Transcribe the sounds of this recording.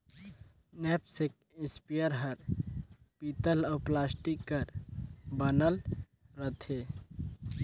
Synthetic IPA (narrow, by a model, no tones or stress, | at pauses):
nɛːpsek̚ | ɪspijəɾɦəɾ | piːt̪əlɔːplaːsʈikːəɾbənəl | ɾət̪ʰe